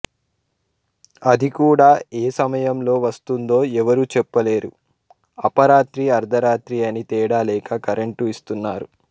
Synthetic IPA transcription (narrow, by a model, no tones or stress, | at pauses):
ɐd̪ikuːɽaːeːsɐmɐjɐmlo̞ːʋɐst̪und̪o̞ːɛʋɐɾut͡ʃɛpːɐle̞ːɾu | ɐpɐɾaːt̪ɾiɐɾd̪ʱɐɾaːt̪ɾiɐnit̪ɛːɽaːlɛːkɐkɐɾeɳʈuist̪unːaːɾu